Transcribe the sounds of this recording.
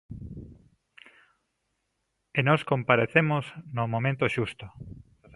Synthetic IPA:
enɔskompaɾeθemoznomomẽnt̪oʃust̪o

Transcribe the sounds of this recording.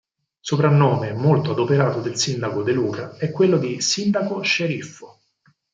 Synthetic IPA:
sopɾanːoːmemolt̪oad̪opeɾaːt̪od̪elsind̪akod̪eluːkaɛkːwelːod̪isind̪akoʃeɾifːo

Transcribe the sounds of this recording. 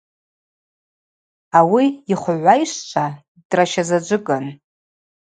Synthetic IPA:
awiiχʷʕʷajʂʷt͡ʃʷʰa | d̥raʃazad͡ʒʷɨkʼan

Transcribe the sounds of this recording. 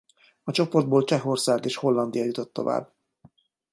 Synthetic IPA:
ɒt͡ʃo̞pord̪̚boːlt͡ʃɛɦo̞rsaːɡeːʃho̞lːɒnd̪ijɒjut̪o̞t̪ːova̰ːbː

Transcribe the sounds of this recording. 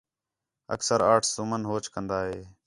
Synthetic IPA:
ə̰ksəɾaːʈʰsumənɦoːt͡ʃkənd̪aːɦeː

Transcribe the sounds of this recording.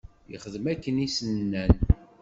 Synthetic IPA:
jə̰χəðəmækːənisənnːæn

